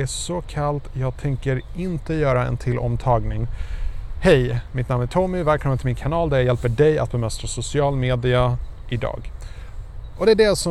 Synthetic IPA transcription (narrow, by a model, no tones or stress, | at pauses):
æʂɔkʰalt̪jɑːɡ̚t̪ʰɛŋkəɾɪnt̪əjœːɾaɛ̰nt̪ʰɪlːʔɔ̰mt̪ʰɑːɡnɪŋ | hɛjmɪt̪namːæʈʰɔmɪvæːlkʰɔmːənt̪ɪmɪnkʰanɑːld̪æjjɛlpəɖɛja̰t̪̚bɛmœst̪ɾasʊsɪɑːlmeːd̪ɪaʔɪd̪ɑ̰ːɡ | ʔɔd̪ɛæɖɛsɔ